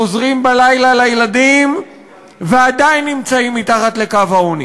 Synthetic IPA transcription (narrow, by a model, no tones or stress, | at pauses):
ozʁimbalajlalajelad̪im | vead̪ajinːimt͡saimːit̪aχat̪le̞kavaoni